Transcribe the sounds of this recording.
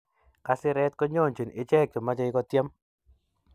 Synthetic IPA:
ka˦sɪ˦ɾɛ˦t̪̚kɔ˦ɲo˦˨nt͡ʃe˨nɪ˨t͡ʃɛ˦k̚t͡ʃɔ˨ma˦d͡ʒa˦ɪ˦kɔ˦t̪jɛ˦m

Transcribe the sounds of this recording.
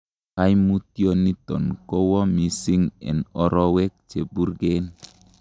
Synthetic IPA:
ha˦jmutjoni˦t̪ɔ̰˨nko˦wɔ˦mi˨si˦ŋɛ̰˨nɔɾɔ˦we˦k̚t͡ʃe˨bu˦ɾɡen

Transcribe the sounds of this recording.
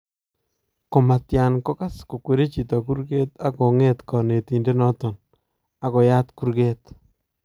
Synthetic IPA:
ko˨ma˨tja˨nkɔ˦ka˦sko˨kwe˨ɾe˦t͡ʃi˨tɔ˨ku˦ɾɡe˦t̪a˦ko˨ŋe˦tkɔ˨ne˨ti˨nde˦nɔ˦tɔ˨n | a˨ko˨ja˦tku˦ɾɡe˦t

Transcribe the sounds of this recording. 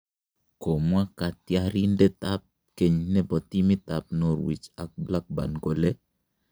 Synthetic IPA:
ko˨mwa˦ka˨tja˦ɾi˦ndɛ˦ta˦p̚ | ke˨ɲnɛ˦bɔ˨ti˦mi˦ta˨p̚no˦ɾwḭ˨t͡ʃa˨k̚bla˦k̚ba̰˨nɡo˦le˦

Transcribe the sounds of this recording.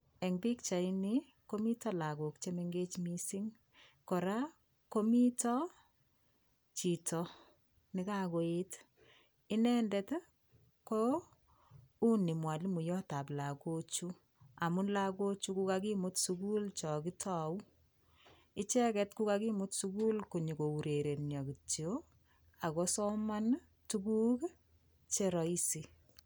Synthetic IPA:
ɛ˨ŋbi˦kt͡ʃa˨i˦ni˦ | ko˦mi˦tɔ˦la˨ko˨kt͡ʃe˦me˦ŋɡe˦t͡ʃmi˦sɪ˦ŋ | kɔ˨ɾa˦ | ko˦mi˦tɔ˦ | t͡ʃi˨tʰɔ | nɪ˨ka˦ko˨e˦t | ɪ˦nɛ˦ndɛ˦t | ko˦ | u˦ni˨mwa˨li˦mu˨jɔ˦ta˨pla˨ko˦t͡ʃu˦ | a˨mu˦nla˦ko˦t͡ʃu˦ku˦ka˦ki˦mʊ˦tsuku˦lt͡ʃɔ˨ki˦tʰɔ˨u˦ | ɪ˦t͡ʃɛ˦kɛ˦tku˦kaki˦mʊ˦tsuku˦lko˨ɲi˨ko˨u˨ɾe˨ɾe˨njɔ˨ki˨tjo | a˨kɔ˦sɔ˦ma˦n | tu˦ku˦k | t͡ʃeɾɔ˨i˦si˨

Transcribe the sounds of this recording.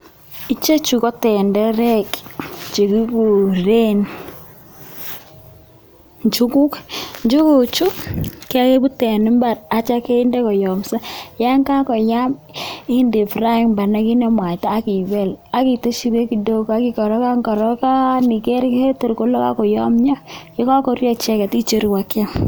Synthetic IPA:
i˦t͡ʃe˦t͡ʃu˨kɔ˦tɛ˨ndɛ˦ɾɛ˦kt͡ʃe˨ki˦ku˨ɾe˦n | ɲt͡ʃu˦ku˦kɲd͡ʒu˦ku˨t͡ʃu˦kkɛ˦a˦ke˦bu˦tɛ˨nɪ˦mba˨ɾa˦t͡ʃa˦ke˦i˦ndɛ˦kɔ˨jɔ˨msa˦ja˦ŋka˦kɔ˨ja˦mɪ˦nde˨fɾa˦i˦ŋmba˨na˦ki˦nɛ˦mwa˨taː˦ki˨bɛ˦˨la˦ki˨to˦ʃi˦ɾe˦ki˨do˦ka˦ki˦kɔ˨ɾɔ˦ka˦ŋɡɔ˨ɾɔ˦ka˦ni˨ke˦ɾke˦to˨ɾko˦lo˦ka̰˦kɔ˨jɔ˦mɲa˦jɔ˦ka˦kɔ˦ɾjɔ˦˨t͡ʃɛ˦kɛ˨ti˦t͡ʃe˦ɾwa˦kja˦m

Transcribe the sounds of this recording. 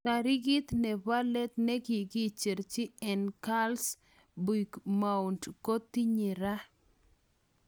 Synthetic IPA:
ka˨ɾi˦ɡɪ˦t̪nɛ˨ba˦lɛ˦t̪nɛ˦ɡi˨ɡit͡ʃe˨ɾt͡ʃɪ˦ɛnka˦ls | bi˨kmauntko˦t̪i˦ɲi˨ɾa˦

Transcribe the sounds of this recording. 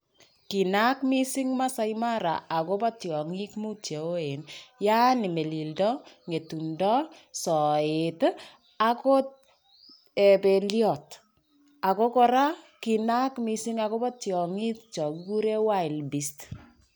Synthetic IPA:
ki˨na˦kmi˦sɪ˦ŋma˦sa˦jma˦ɾa̰˨a˨ko˦pɔ˦tjɔ˨ŋi˦kmu˦t͡ʃje˨o˦e˨nja˦ni˨me˨li˨ldɔ˦ŋe˨tu˨ndɔ˦sɔ˨e˨t | a˦ko˦ | e˨pe˨ljɔ˨t | a˨ko˦kɔ˦ɾa˦ | ki˨na˦kmi˨si˦ŋako˦pɔ˦tjɔ˨ŋi˦tt͡ʃɔ˨kku˦ɾe˦wa˦i˨lbi˨st

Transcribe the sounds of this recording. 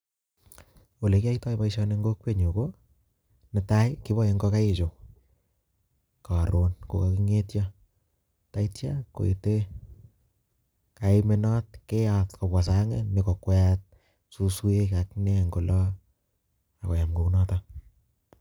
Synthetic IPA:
o˨le˨ki˦a˦itɔ˦pa˦iʃɔ˧ne˧ŋɡo˦k̚pe˦ɲo˨ko˦ | nɪ˨ta˦jki˦bɔ˦˨je˦ŋɡɔ˦ka˦e˨t͡ʃo˨ | ka˨ɾo˨nko̰˨ka˨ki˦ŋetjɔ | ta˦itja˦ko̰˨jite˦ | ka˨ime˦nɔ˦t̚ke˦atkɔ˨bwa˨saŋḛme˨kɔ˨kwɛt̚ | su˦swe˦kaknɛ˦ŋɡo˨lɔ˦ | a˨kɔ˨ja˨mko˨u˦nɔ˦ta

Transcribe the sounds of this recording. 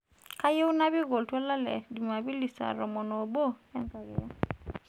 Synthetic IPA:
ka˦je˦u˦na˦bi˦ɣo˨ltwɛ˦la˦lɛ̰˨di˨ma˨bi˦li˨sa̰˨ɾɔ˨mɔ˨nɔ˨bo˦ɛ˦nta˨ɣɛ˨ja˦

